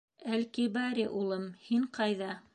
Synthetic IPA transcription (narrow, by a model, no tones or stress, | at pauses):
ælkibɑɾiʔulˠɤmhiŋqɑjðɑ